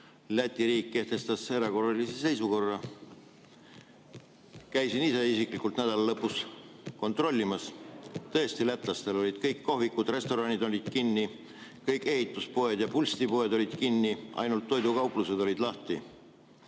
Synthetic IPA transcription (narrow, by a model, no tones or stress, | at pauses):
læt̪ʲːˑiɾiːkːe̞ht̪e̞st̪ɑsːeɾɑko̞rːɑlisese̞jsuko̞rːɑ | kæjsinise̞isiklikult̪næd̪̥ɑlɑlɤpːusko̞nt̪ro̞lʲːimɑst̪ɤ̞est̪ilæt̪ˑlɑst̪e̞lo̞lʲid̪̥kɤjkːoɦvikːˑud̪̥re̞st̪o̞ɾɑnid̪o̞lʲid̪̥kinːi | kɤjkːe̞hit̪ːˑuspo̞e̞d̪jɑpulʲst̪ipo̞e̞d̪o̞lʲid̪̥kinːiʔɑ̰jnult̪ːo̞jd̪ukɑuwpluse̞d̪o̞lʲid̪̥lɑht̪i